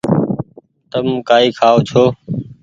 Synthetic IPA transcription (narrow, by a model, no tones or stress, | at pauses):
t̪əmkaːiːkʰaːoːt͡ʃʰoː